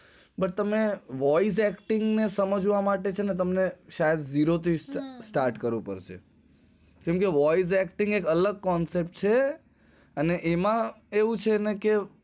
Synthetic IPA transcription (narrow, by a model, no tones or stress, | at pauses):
bəʈ̚t̪əmeʋɔis̬ɛkʈɪŋɡnesəməd͡ʒʋamaʈet͡ʃʰenet̪əmneʃajəd̪d͡ʒiɾot̪ʰisʈaɾʈkəɾʋũpə̰ɾt͡ʃʰḛ | kɛmkeʋɔiz̬ɛkʈɪŋɡekələɡ̚kɔnsep̚ʈt͡ʃʰe | əneʔemã | eʋũt͡ʃʰeneke